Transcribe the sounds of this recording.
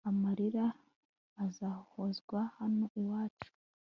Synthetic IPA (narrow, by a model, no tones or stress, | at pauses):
amaɾiɾaː | zahozɡwahanoiwaːt͡ʃu̥